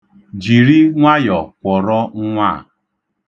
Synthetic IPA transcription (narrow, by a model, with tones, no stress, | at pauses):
d͡ʒi˨ɾi˦ŋʷa˦jɔ˨kʷɔ˨ɾɔ˦ŋ̩˦ŋʷa˦˨